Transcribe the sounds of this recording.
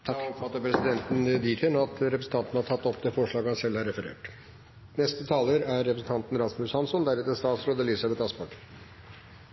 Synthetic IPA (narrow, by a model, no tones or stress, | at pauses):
t̪ʰɑɔfɑt̪ːəɾpʰɾɛsɪd̪ɛnt̪n̩d̪iːt̪ʰənɑt̪ɾɛpɾsn̩t̪ɑnt̪n̩hɑʈʰɑt̪ːɔpːd̪eːfɔʂɭɑːɡəhɑnsɛlhɑɾɛfəɾḛːʈ | nɛst̪ət̪ʰɑːləɾæɾːɛpɾəsn̩t̪ɑnt̪n̩ɾɑsmʉshɑnsɔnd̪æɾʉːt̪əst̪ɑːt̪sɾoːd̪əlisɑbɛt̪ɑspɑʈ